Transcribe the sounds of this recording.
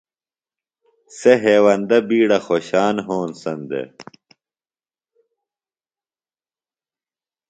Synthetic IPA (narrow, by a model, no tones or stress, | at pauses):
seɦeːwɐnd̪ɐbiːɽɐxoːɕaːnɦoːnsɐnd̪ḛ